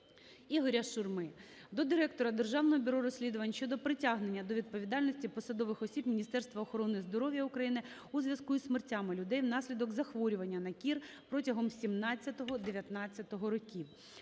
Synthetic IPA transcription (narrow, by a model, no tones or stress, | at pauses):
iɦɔɾʲɐʃʊrmɪd̪ɔd̪ɪɾɛkt̪ɔɾɐd̪erʒɑwnɔɦɔbʲʊɾɔɾɔsʲlʲid̪ʊʋɐnʲʃt͡ʃɔd̪ɔpɾɪtʲaɦne̞nʲːɐd̪ɔʋʲid̪̚pɔʋʲid̪ɑlʲnɔsʲtʲipɔsɐd̪ɔʋɪxɔsʲibmʲinʲist̪ɛrst̪ʋɐːxɔɾɔnɪzd̪ɔɾɔʋʲjɐʊkɾɐjinɪ | uzʲʋʲjɐskuismertʲːamɪlʲʊd̪ɛjwn̪ɑsʲlʲid̪ɔkzɐxʋɔɾʲʊʋɐnʲːɐnɐkʲir | pɾɔtʲɐɦɔmsʲimnɑt͡sʲːɐt̪ɔɦɔd̪eʋʲjɐt̪nɑt͡sʲːɐt̪ɔɦɔɾɔkʲiw